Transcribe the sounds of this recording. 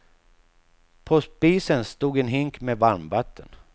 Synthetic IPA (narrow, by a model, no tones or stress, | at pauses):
pʰospiːsənst̪uːɡɛnɦɪŋkmeːvaɾmbat̪ʰːən